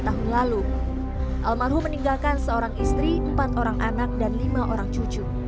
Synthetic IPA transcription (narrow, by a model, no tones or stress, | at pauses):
t̪aɦunlalu | ʔalmarɦuməniŋɡalkansəoɾaŋist̪ɾiəmpat̪oɾaŋʔanak̚danlimaʔoɾaŋt͡ʃud͡ʒu